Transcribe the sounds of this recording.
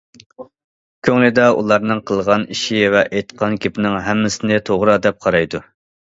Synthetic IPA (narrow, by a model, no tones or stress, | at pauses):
kʲʰøŋlɪd̪ɑʔṵlˠɑɾnɨŋqʰəlˠʁɑniʃivɛʔejt̪qʰɑnkʲʰepɪnɪŋɦɛmːɪsɪnɪt̪ʰoʁɾɑd̪ɛp̚qʰɑɾɑjd̪u